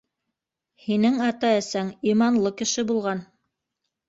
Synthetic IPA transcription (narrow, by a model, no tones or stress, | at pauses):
hinɘŋɑt̪ɑæsæŋimɑnlˠɤkɘ̆ʃɘbulˠʁɑn